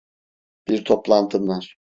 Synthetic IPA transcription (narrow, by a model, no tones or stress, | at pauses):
b̥iɾt̪ʰoplˠant̪ʰɯnlaɾ̥